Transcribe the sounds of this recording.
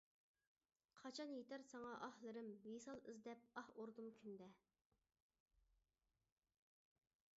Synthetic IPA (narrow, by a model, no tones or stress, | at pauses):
qʰɑt͡ʃʰɑnjet̪æɾsɑŋɑʔɑhlˠɨɾɨmjesɑlˠɨzd̪ɛp̚ɑhoɾd̪umkʲʰynd̪ɛ